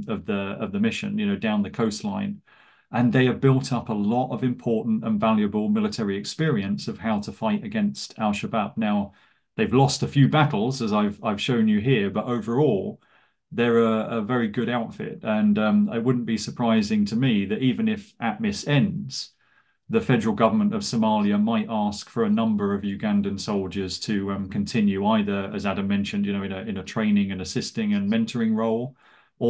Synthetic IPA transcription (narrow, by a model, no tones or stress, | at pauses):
ʌvðəəvðəmɪʃɨ̰̃njɨnoʊdãʊ̃nðɨkʰəʊstˡlãɪ̃n | ʔə̃nðeɪəbɪlˠtʰʌpəlɒtəvɨ̃mpʰɔɹʔn̩tə̃nvaljɨbəlˠmɪlətʰɛɹiɨkspɪəɹiɨ̃nsʌv̥haʊtʰəfaɪɾɨɡɛ̃nstʰalˠʃəbʌb̚naʊ | ðeɪvlɔstəfjʉbaɾl̩ˠzəzaɪvaɪv̥ʃõʊ̃njɨɦɪəɹbʌɾəʊvə˞ɔlˠ | ðə˞əəvɛɹiɡʊɾaʊtfɪ̰t̚ə̃nʌ̃mɪt̚wʊdⁿn̩b̥isəpʰɹ̥aɪzɪ̃ŋtʰəmiðɨɾiːvɨ̃nɪfʔəʔ̚mɪsɛ̃ndz̥ | ðəfɛdə˞l̩ˠɡʌvə˞mə̃ntəv̥səmɑlˠjəmaɪtɑˑskfə˞ənʌ̃mbə˞ʌvjʉɡæ̃ndɨ̃nsoʊlˠd͡ʒə˞z̥tʰɨʌ̃mkʰɨ̃ntʰɪ̃njʉaɪðə˞əzæɾə̃mːɛ̃nʃɨ̃ndjɨnoʊɨ̃nɨɪ̃nɨtʰɹ̥ẽɪ̃nɪ̃ŋɨ̃nɨsɪstɪ̃ŋɨ̃nmɛ̃ntʰə˞ɪ̃ŋɹoʊlˠ | ə